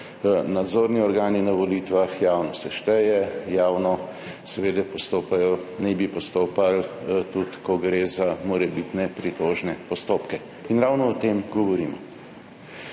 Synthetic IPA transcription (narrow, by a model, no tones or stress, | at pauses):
nad̪zoːɾniɔɾɡaːninaʋɔlit̪ʋaxjaːwnɔsɛʃt̪ɛjɛjaːwnɔ | sɛʋeːd̪ɛpɔst̪oːpajɔnɛbipɔst̪oːpalt̪ut̪kɔɡɾezamɔɾɛbit̪nɛpɾit̪oːʒnɛpɔst̪oːpkɛ | inɾawnɔːt̪eːmɡɔʋɔɾiːmɔ̰